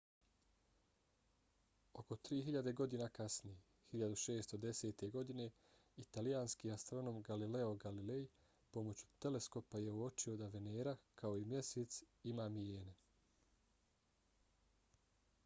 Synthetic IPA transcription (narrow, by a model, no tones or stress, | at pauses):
o̞ko̞t̪ɾiːɦiʎad̪e̞ɡo̞d̪inakasnije | hiʎad̪uʃe̞ːst̪o̞d̪e̞se̞ːt̪e̞ɡo̞d̪ine̞ | it̪alijaːnskiːast̪ɾo̞no̞mɡalile̞o̞ɡalile̞j | po̞mo̞t͡ɕu̥t̪e̞le̞sko̞paje̞uo̞t͡ʃio̞d̪aʋeneːɾakʰao̞imje̞seːt̪s | imaːmijeːne